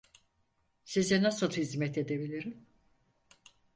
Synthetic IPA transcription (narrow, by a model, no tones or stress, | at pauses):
sizɛnasɯlˠhizmɛt̪ʰe̞d̪ebilʲiɾim